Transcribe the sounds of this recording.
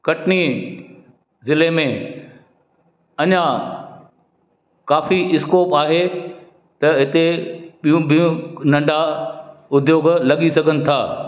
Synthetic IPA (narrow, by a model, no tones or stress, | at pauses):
kɐʈni | zɪlemẽ | ɐɲã | kaːfiɪskoːpaːɦe | t̪ɐɦɪt̪eɓijũɓijũnɐ̃ɳɖʱa | ʊd̪ʱjoːɡlɐɠisɐɡʱənɪ̆t̪ʰaː